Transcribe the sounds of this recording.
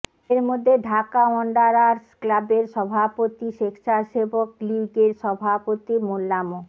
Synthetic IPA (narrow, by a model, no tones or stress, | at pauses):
eɾmod̪ʱːeɖʱakaɔɳɖaɾaɾsklabeɾʃɔbʱapot̪iʃekʰʃaɾʃebokliɡeɾʃɔbʱapot̪imolːamo